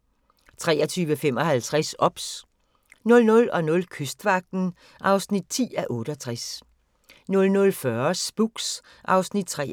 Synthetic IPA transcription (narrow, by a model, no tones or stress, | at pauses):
t͡sʰʁɛ̰ːɒt͡sʰyːʋəfem̰ɒ̽hælt͡sʰʁasɒ̽b̥s | nɔ̽lnɔ̽lɒ̽nɔ̽lkʰøsd̥ʋɑ̈ɡ̥̚d̥n̩ | ʔɑ̈ʊsnid̥̚t͡sʰḭːæʔɔ̽ːɾ̥əɒt͡sʰʁas | nɔ̽lnɔ̽lfɶɐsb̥uɡ̥s | ʔɑ̈ʊsnid̥̚t͡sʰʁɛ̰